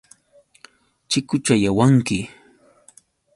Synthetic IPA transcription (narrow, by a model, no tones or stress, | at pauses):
t͡ʃɪkʊt͡ʃajawaŋkɪ